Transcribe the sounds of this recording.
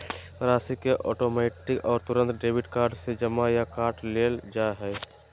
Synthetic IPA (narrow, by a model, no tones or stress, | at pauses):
pɾaːsikeʔɔːʈoːmeːʈɪkɔːɾt̪ʊɾə̃nt̪ɖeːʋɪʈkaːɾɖsed͡ʒəmajakaːɾʈleːld͡ʒaɦɛː